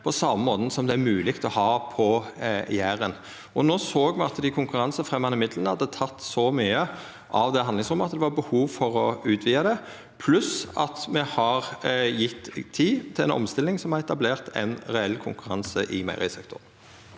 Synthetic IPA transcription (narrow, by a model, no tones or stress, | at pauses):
pʰɔsɑməmoːt̪n̩sɔmd̪ɛæɾmʉːlɪkt̪ɔhɑːpʰɔjæːɾən | ʔɔnoːsoːɡmɛɑt̪d̪ɪkʰʊŋkʉɾɑnsəfʁɛmːɑnɪmɪd̪lənəhɑd̪ːət̪ʰɑt̪ːsɔmyːə | ʔɑʋd̪ɛɑnɪŋsʁʊmːəɑt̪d̪ɛʋɑbəhuːʋfɔɾɔʉːt̪ʰʋiːɑd̪ɛ | pʰlʉsɑt̪mɛhɑʁjɪt̪ːʰiːt̪ʰɪlɛ̰nɔ̰mst̪ɪlnɪŋsɔmhɑɾɛt̪ɑbleːʁt̪ɛ̰nʁɛɛlːkʰʊŋkʉɾɑnsəʔɪmæ̰ɪʁɪsɛkt̪ʰʊ̰ʁn